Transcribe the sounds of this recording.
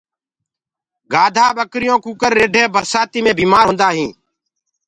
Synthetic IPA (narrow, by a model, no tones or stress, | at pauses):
ɡaːd̪ʱaːɓəkɾɪjõːkuːkəɾːeːɖʱeːbəɾsaːt̪iːmẽːbiːmaːɾɦʊ̃nd̪aːɦĩː